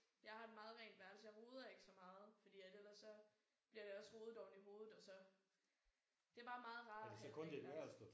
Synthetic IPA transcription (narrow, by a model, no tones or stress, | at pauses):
jɑ̈ɪhɑ̈d̥emɑ̈ːð̩ˠʁɛ̰ːnd̥ʋæɐlsəjɑ̈ɪʁo̝ːð̞ˠɐe̝ɡ̥ə̥sɒ̽mɑ̈ːð̞̩ˠfɒ̽d̥ḭːed̥elɐsːɒ̽ | b̥liɐɾ̥e̝ɒ̽sʁo̝ːð̞̩ˠɒ̰ʊniɦo̝ːð̩ˠɒ̽sɒ̽ | d̥e̝æɐb̥ɑ̈ːmɑ̈ːð̞̩ˠʁɑ̈ːd̥esɒkʰɔ̽nd̥eʋæɐæsd̥ɒ